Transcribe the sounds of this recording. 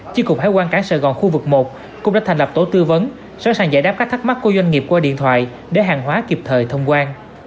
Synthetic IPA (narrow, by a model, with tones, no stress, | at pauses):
t͡ɕi˨˧˥kʊ˨˩k͡p̚haː˧˦jkwaː˧nkaː˧˩sə˧˨˩ɣɔ˨˩nxu˧vɨ˨˩k̚mo˨˩t̚ | kʊ̰˧˥ŋ͡ma̰ː˧˥t̪ʰŋ̟lə˨˩p̚t̪o˨˦t̪ɨ˧və˨˦n | sa̰˧˥ŋsaː˨˩ŋzaː˧jɗaː˦˥pkaː˦˥k̚t̪ʰːk̚ma˦˥t̚ku˧˦zwa˧jŋ̟ŋi˨˩əp̚kwaː˧ɗḭ˧˨ənt̪ʰwa̰ː˧˨j | ɗe˧˩˦ɦaː˨˩ŋɦwaː˨˦ki˨˩əp̚t̪ʰəː˨˩jt̪ʰə˧wŋ͡mkwaː˧n